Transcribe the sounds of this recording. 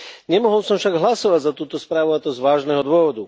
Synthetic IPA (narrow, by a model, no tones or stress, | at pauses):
ɲɛmɔɦɔlsɔmfʃaɡɦlasɔʋaɟzat̪uːt̪ɔspɾaːʋuat̪ɔzʋaːʒnɛɦɔd̪ʊɔʋɔd̪u